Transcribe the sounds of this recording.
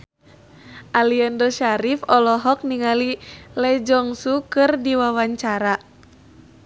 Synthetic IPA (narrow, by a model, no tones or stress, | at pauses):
ʔaliandɔʃaɾifɔlɔɦɔk̚niŋalilɛd͡ʒɔŋsukɨrdiwawaɲt͡ʃaɾa